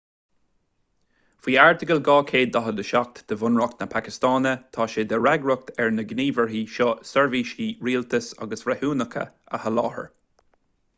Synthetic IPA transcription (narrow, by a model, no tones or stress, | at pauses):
fiːaɹt̪ɪɡəlɡɑːkʰeːd̪ːɔɦəd̪əʃɔk̚t̪d̪̥əvʊnɹɔk̚t̪nəpʰakɪst̪ɑːnət̪ʰɑːʃed̪əɹɛɡɹʊk̚t̪ɛɹnəɡniːvəɹɦiːʃɔsɛɹviːʃiːɹiːlt̪ʰəsa̰ɡəsvɾɛhuːnəkʰə̰ | ə̰həlɑːhə̰ɹ